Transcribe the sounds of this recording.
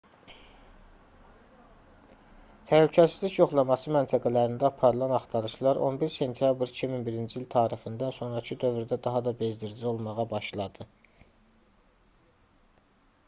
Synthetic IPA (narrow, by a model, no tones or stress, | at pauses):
t̪ʰælycʰæsizlicjo̞χlˠɑmɑsɯmænt̪ʰæɡælæɾind̪æɑpʰɑɾɯlˠɑnɑχt̪ʰɑɾɯʃlˠɑɾʔo̞̰nbiɾse̞nt̪ʰijɑbɾicʰiminbiɾind͡ʒiilt̪ʰɑːɾixind̪ænso̞nɾɑcʰid̪ø̞vɾd̪æd̪ɑɦɑd̪ɑbe̞zd̪iɾd͡ʒio̞lˠmɑʁɑbɑʃlˠɑd̪ɯ